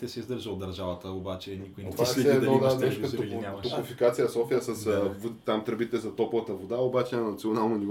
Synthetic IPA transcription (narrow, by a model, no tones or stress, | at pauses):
t̪ɛsɛizd̪əɾʒəod̪ɐɾʒavɐt̪əobat͡ʃɛnikojnbasɛːd̪nɔd̪ad̪ɛʃkt̪oat̪okufikat̪sijəsɔfijəsɐsvot̪amt̪ɾɐbit̪ɛlzɐt̪ɔpovɐt̪əvod̪aobat͡ʃɛnɐnɐt̪sionalˠnonivɔ